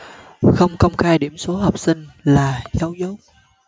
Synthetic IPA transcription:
xə˧wŋ͡mkə˧wŋ͡mxaː˧jɗi˧˩əmso˨˦ɦɔː˨˩p̚sï˧ŋ̟laː˨˩zaː˨˦wzə˨˦˥k͡p̚

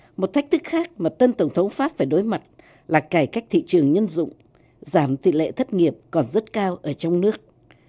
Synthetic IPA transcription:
mo˨˩t̚t̪ʰjk̚t̪ʰɨ˦˥k̚xaː˦˥k̚maː˨˩t̪ə˧nt̪ə˧˩wŋ͡mt̪ʰə˨˦wŋ͡mfaː˦˥p̚faː˧˩jɗo˨˦jma˨˩t̚ | laː˨˩kaː˧˩jka˦˥jk̚t̪ʰḭ˧˨t͡ɕɨ˨˩əŋɲə˧nzʊ̰˧˨ŋ͡m | zaː˧˩mt̪ḭ˧˨lḛ˧˨t̪ʰə˦˥t̚ŋi˨˩əp̚kɔ˨˩nzə˦˥t̚kaː˧wʔəː˧˩t͡ɕɔ˧wŋ͡mnɨ˦˥ək̚

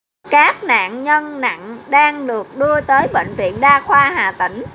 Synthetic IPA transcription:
kaː˦˥k̚na̰ː˧˨ŋɲə˧nna̰˧˨ŋɗaː˧ŋɗɨ˨˩ək̚ɗɨ˧ət̪əː˨˦jɓḛ˧˨ŋ̟vḭ˧˨ənɗaː˧xwaː˧haː˨˩t̪ï˧˩˦ŋ̟

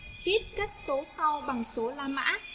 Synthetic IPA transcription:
hi˦˥t̚ka˦˥jk̚so˨˦sa˧wɓa˨˩ŋso˨˦laː˧ma̰ː˧˦˥

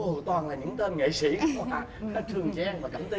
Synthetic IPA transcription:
ʔo˨˩t̪waː˨˩nlaː˨˩ɲɨ̰˧˥ŋt̪e˧nŋḛ˧˨sḭ˧˩˥aː˨˦˥faː˨˦˥t͡ɕʰɨ˨˩əŋt͡ɕɛː˧ŋvaː˨˩kə̰˧˩mt̪i˧

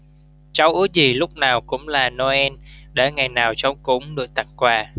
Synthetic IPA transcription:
t͡ɕa˧wʔɨ˨˦zi˨˩lʊ˦˥k͡p̚naː˨˩wkʊ̰˧˥ŋ͡mlaː˨˩nɔ˧ʔɛ˧nɗe˧˩ŋa˨˩jnaː˨˩wt͡ɕɔ˧˦wŋ͡mkʊ̰˧˦ŋ͡mɗɨ˨˩ək̚t̪a̰˧˨˩ŋkwaː˧˩

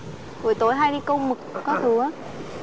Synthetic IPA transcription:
ku˨˩əjt̪o˧˨˦jɦaː˧jɗi˧kə˧wŋ͡mmɨ˨˩k̚ːɔ˨˦t̪ʰɨ˨˩a˨˦

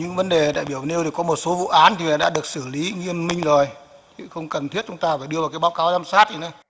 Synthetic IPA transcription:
ɲɨ̰˧˥ŋvə˨˦nɗe˨˩ɗa̰ː˧˨jɓi˧˩əwne˧wt̪i˨˩kɔ˨˦mo˨˩t̚so˨˦vṵ˧˨ʔaː˨˦nt̪i˨˩vɗa̰ː˧˥ɗɨ˨˩ək̚sɨ˧˩li˨˦ŋi˧əmmï˧ŋ̟zo˨˩j | tʰi˧˩xə˧wŋ͡mkə˨˩nt̪ʰi˦˥ət̚t͡ɕʊ˨˦ŋ͡mt̪aː˧faː˨˩ɗɨ˧əvaː˨˩kaː˨˦jɓaː˨˦wkaː˨˦wzaː˧msaː˦˥t̚zi˨˩na˨˦

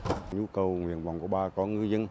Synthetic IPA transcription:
ɲu˧kə˨˩wŋwḭ˧˨ənva˨wŋ͡mku˧˩əɓaː˧kɔ˨˦ŋɨ˧jzə˧n

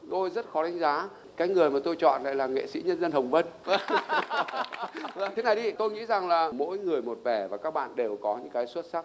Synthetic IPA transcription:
t̪o˧jzə˦˥t̚xɔ˨˦ɗa˨˦jŋ̟zaː˨˦ | kaː˨˦jŋɨ˨˩əjmaː˨˩t̪o˧jt͡ɕɔ̰˧˨nla̰ː˧˨laː˨˩ŋḛ˧˨sḭ˧˥ɲə˧nzə˧nhə˨˩wŋ͡mvə˧n | t̪ʰe˨˦na˨˩jɗi˧t̪o˧jŋḭ˧˥za˨˩ŋlaː˨˩mo̰˧˥jŋɨ˨˩əjmo˨˩t̚vɛ˧˩vaː˨˩kaː˦˥k̚ɓa̰ː˧˨nɗe˨˩wkɔ˨˦ɲɨ̰˧˥ŋkaː˨˦jswə˦˥t̚sa˦˥k̚

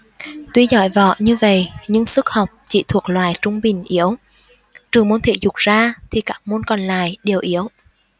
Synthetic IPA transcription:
t̪wi˧zɔ̰˧˩jvɔ̰˧˨ɲɨ˧və̰˧˨jɲɨ˧ŋsɨ˦˥k̚hɔ˨˩wk͡p̚t͡ɕḭ˧˩t̪ʰu˨˩ək̚lwaː˨˩jt͡ɕʊ˧ŋ͡mɓï˨˩ŋ̟ʔi˨˦əw | t͡ɕɨ˨˩əŋmu˨˦nt̪ʰḛ˧˥zʊ˨˩k͡p̚z̥aː˧t̪ʰi˨˩kaː˦˥k̚mo˧nkɔ˨˩nla̰ː˧˨jɗe˨˩əwʔi˨˦əw

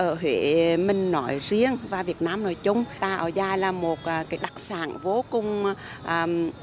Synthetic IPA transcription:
ʔəː˧˩ɦwḛ˧˨mï˨˩ŋ̟nɔ̰˧˨˦jzi˧əŋvaː˨˩vi˨˩ət̚naː˧mno˧˩˦jt͡ɕʊ˧ŋ͡mt̪aː˧ʔə̰ː˧˩zaː˧jlaː˨˩mo˨˩t̚ʔkaː˨˦jɗa˨˩k̚saː˧˩˦nvo˨˦kʊ˨˩ŋ͡m | ʔəː˨˩m

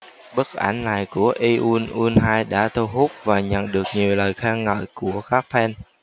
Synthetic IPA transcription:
ɓə˦˥t̚ʔa˧˩jŋ̟na˨˩jku˧˩əʔi˧ʔu˧nʔu˧nɦaː˧jɗa̰ː˧˥t̪ʰu˧ɦu˦˥p̚vaː˨˩ɲə̰˧˨nɗɨ˨˩ək̚ɲi˨˩əwləː˨˩jxaː˧ŋŋə̰ː˧˨jku˧˩əkaː˦˥k̚fɛ˧n

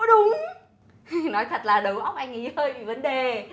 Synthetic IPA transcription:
ɗʊ˨˦ŋ͡m | nɔ˨˦jt̪ʰaə˨˩t̚laː˨˩ɗə˨˦wʔə˧wŋ͡mʔa˧jŋ̟ŋḭ˧˩həː˧jvi˨˩və˨˦nɗe˨˩

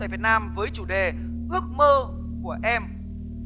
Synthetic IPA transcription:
aː˧˨vi˨˩ət̚naː˧mvəː˨˦jt͡ɕu˧˩ɗe˨˩ | ʔɨ˦˥ək̚məː˧ | ku˧˩əʔɛ˧m

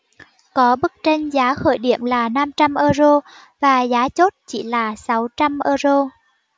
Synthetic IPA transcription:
kɔ˨˦ɓɨ˦˥k̚t͡ɕe˧nzaː˨˦xə̰˧˨jɗḭ˧˩˨əmlaː˨˩na˧mt͡ɕa˧mʔəː˧zo˧ | vaː˨˩zaː˨˦t͡ɕo˦˥t̚t͡ɕḭ˧˩laː˨˩sa˨˦wt͡ɕa˧mʔəː˧zo˧

